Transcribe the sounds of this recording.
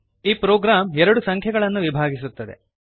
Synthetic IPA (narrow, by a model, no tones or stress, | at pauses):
iːpɾoːɡɾaːmɛɾɐɽusɐŋkʰjɐɡɐɭɐnːuʋibʱaːɡisut̪ːɐd̪e̞̰